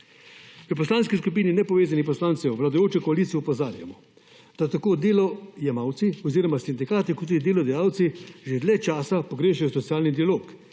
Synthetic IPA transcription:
ʋəp̬ɔslaːnskiskup̬iːninɛpɔʋeːzanipɔslaːnt̪sɛʋlad̪ɔjoːt͡ʃɛkɔaliːt̪sijɛupɔzaːɾja̰mɔ | d̪̥at̪akoːd̪eːlɔjɛmawt̪siɔziːɾɔmasind̪ikaːt̪ikɔt̪ːuːd̪id̪eːlɔd̪ɛjaːwt̪siʒed̪lɛt͡ʃaːsapɔɡɾeːʃɛjɔsɔt̪sijaːlnid̪ialoːk

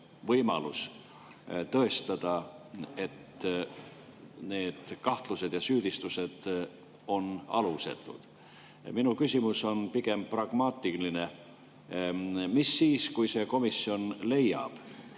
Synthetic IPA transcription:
vɤjmɑ̰lus | t̪ɤe̞st̪ɑd̪̥ɑe̞t̪ | ne̞ːd̪̥kɑht̪luse̞d̪̥jɑsyːd̪̥ist̪use̞d̪̥ | o̞nɑ̰luse̞̰t̪ːˑṵd̪̥ | minukysimuso̞npiɡe̞mprɑɡ̥mɑːt̪ːˑiline̞ | misːiːskujse̞ko̞misio̞nle̞jːɑ̰b̥

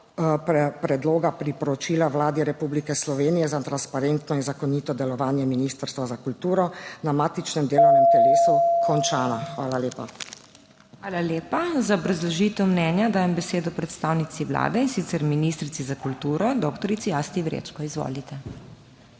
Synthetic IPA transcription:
ppɾɛd̪loːɡapɾipɔɾɔt͡ʃiːlawlaːd̪iɾɛpublikɛslɔʋeːnijɛzat̪ɾanspaɾeːnt̪nɔinzakɔniːt̪ɔd̪ɛlɔʋaːnjɛminiːst̪əɾst̪ʋazakult̪uːɾɔnamaːt̪it͡ʃnɛmd̪eːlɔwnɛmt̪ɛleːsukʰɔnt͡ʃaːnaxʋaːlaleːpa | xaːlaleːpazaɔbɾazlɔʒiːt̪ɛwmnɛːnjad̪aːjɛmbɛseːd̪ɔpɾɛt̪st̪aːwnit̪iwla̰ːd̪ɛinsit̪sɛɾminist̪ɾit̪izakult̪uːɾɔd̪okt̪ɔɾit̪sijast̪iʋɾḛt͡ʃkɔizʋo̰lit̪ɛ

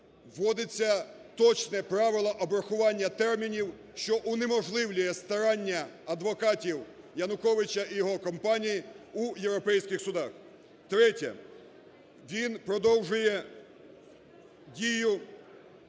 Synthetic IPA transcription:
ʋːɔd̪ɪt͡sʲːɐ | t̪ɔt͡ʃnɛpɾɑʋɪlˠɐʔɔbɾɐxʊʋɑnʲːɐt̪ɛrmʲinʲiw | ʃt͡ʃɔʔʊnemɔʒlˠɪwlʲʊjɛst̪ɐɾɑnʲːɐ | ɐd̪ʋɔkɑtʲiw | jɐnʊkɔʋɪt͡ʃɐijɔɦɔkɔmpɑnʲijiujewɾɔpɛjsʲkɪxsʊd̪ɑx | t̪ɾɛtʲɐ̰ | ʋʲinpɾɔd̪ɔwʒʊjɛ | dʲijʊ

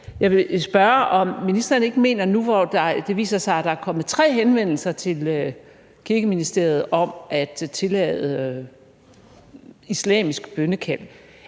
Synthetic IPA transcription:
jɑ̈ɪʋe̝sb̥ɶɐʔɒ̽mːinisd̥ɐːne̝ɡ̥əme̝̰ːnɐnuʋɒd̥ɑd̥e̝ʋḭːsɐsɑ̈ɪæd̥ɑ̈æɐkʰɒ̽m̰ð̩ˠt͡sʰʁɛ̰ːɦenʋen̰l̩sɐt͡sʰe̝lø | kʰiɐɡ̥əminisd̥e̝ɐð̞̩ˠɒ̽mʔæd̥t͡sʰe̝lɛ̰ðˠə | islɛ̰ːmisɡ̥b̥ønəkʰæl̰

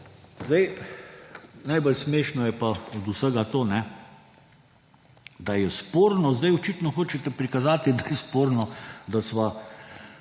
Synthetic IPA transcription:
zd̪aj | najbəlsmeːʃnɔjɛpaɔd̪usəɡat̪oːnɛ | d̪ajɛspoːɾnɔzd̪ajɔt͡ʃit̪nɔxoːt͡ʃɛt̪ɛpɾikazaːt̪id̪ajɛspoːɾnɔd̪asʋa

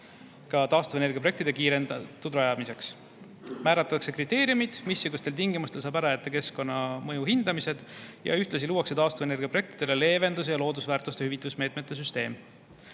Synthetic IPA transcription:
kɑt̪ɑːst̪uveneɡiproek̚t̪id̪e̞kiːɾe̞nd̪ɑt̪ːˑud̪ɾɑjɑmise̞ks | mæːɾɑt̪ːˑɑkse̞krit̪ːˑe̞ːɾjumid̪̥misːiɡ̥ust̪e̞lt̪iŋɡimust̪e̞lsɑːbæɾɑet̪ːˑekesko̞nːɑmɤjuhind̪̥ɑmise̞d̪̥jɑ̰yht̪lɑs̬iluːɑkse̞t̪ɑːst̪uvene̞rɡijɑpɾroe̞k̚t̪id̪̥e̞lele̞ːve̞nd̪us̬jɑlo̞ːd̪usvæːɾrt̪ˑust̪e̞hyvit̪ːˑusme̞ːt̪me̞t̪ːˑes̬yst̪e̞ːm

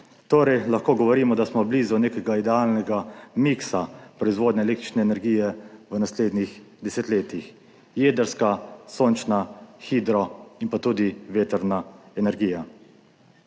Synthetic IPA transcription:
t̪oːɾɛjlaxkoːɡɔʋɔɾiːmɔd̪asmɔbliːzuneːkɛɡaid̪ɛaːlnɛɡamiksapɾɔizʋoːd̪nɛɛlekt̪ɾi̥t͡ʃnɛɛnɛɾɡiːjɛʋənasleːd̪nix | d̪ɛsɛt̪leːt̪ix | jeːd̪əɾskasoːnt͡ʃnaxid̪ɾɔinpat̪uːd̪iʋeːt̪əɾnaɛnɛɾɡiːja

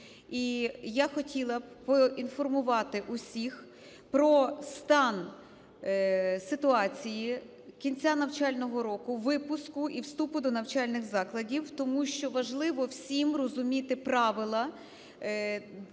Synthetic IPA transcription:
ijaxɔtʲilˠɐpɔinfɔrmʊʋɑt̪ɪʔusʲix | pɾɔst̪ɑn | sɪt̪ʊɑt͡sʲiji | kʲinʲt͡sʲanɐwt͡ʃɑlʲnɔɦɔɾɔkʊʋɪpʊskʊʔiwst̪upʊd̪ɔnɐwt͡ʃɑlʲnɪɣzɑklˠɐdʲiwt̪ɔmuʃt͡ʃɔʋɐʒlˠɪʋɔwsʲimrɔzʊmʲit̪ɪpɾɑʋɪlˠɐ

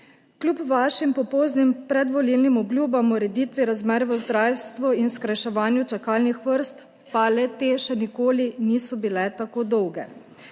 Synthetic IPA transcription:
klʲjupʋaːʃimpɔpɔwznimpɾɛd̪ʋɔlilnimɔbljuːbamɔɾɛd̪iːt̪ʋiɾazmɛːɾʋəzd̪ɾaːwst̪ʋɔinskɾajʃɛʋaːnjut͡ʃakaːlnixʋəɾst̪ | palɛt̪eːʃɛnikoːliniːsɔbilɛt̪akoːd̪ɔwɡɛ

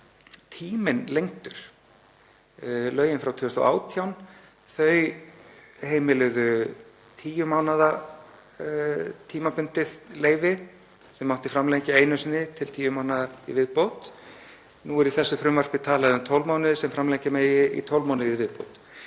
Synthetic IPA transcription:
t̪ʰiːmɪnlejŋt̪ʏɾ̥ | lœːɥjɪnfɾawt̪ʰːʏst̪ɔ̰ʔa̰ːwt̪ʰjawn | θœɥ | hejmɪlɪðʏ | t̪ʰiːjʏmaːwnaða | t̪ʰiːmapʏnt̪ɪðleːjvɪ | sɛmːawht̪ɪfɾamlejɲcɪeːjnʏsɪnːɪt̪ʰɪlt̪ʰiːjʏmaːwnaðaḭvɪðpowt̪ | nuɛɾiθɛsːʏfɾʏmvar̥pɪt̪ʰaːlaðɪʏmt̪ʰowlmawnɪðsɛmfɾamlejɲcɪmeːjɪḭt̪ʰowlmawnɪðivɪðpo̰wt̪

